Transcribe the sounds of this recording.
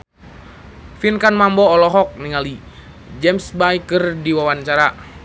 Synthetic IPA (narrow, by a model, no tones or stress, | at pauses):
finkanmambɔːlɔɦɔk̚niŋali | d͡ʒɛmsbajkɨrdiwawant͡ʃaɾa